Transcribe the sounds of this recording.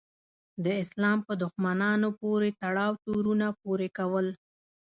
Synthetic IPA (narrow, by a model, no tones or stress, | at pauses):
d̪əɪslɑmpəd̪ʊxmanɑnopoɾet̪aɽɑwt̪oɾunapoɾekawəl